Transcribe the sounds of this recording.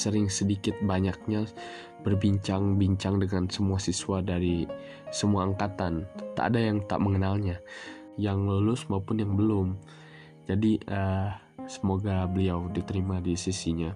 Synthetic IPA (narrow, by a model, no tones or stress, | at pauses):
səɾɪŋsədikɪt̪̚baɲak̚ɲa | b̥ərbiɲt͡ʃaŋbiɲt͡ʃaŋdəŋansəmuasisuadaɾi | səmuaːŋkat̪ant̪a̰ʔːdajaŋt̪a̰ʔməŋənalɲa | jaŋlulʊsmaupʊnjaŋbəlʊm | d͡ʒadiə | səmoɡabəliawdit̪əɾimadisisiɲa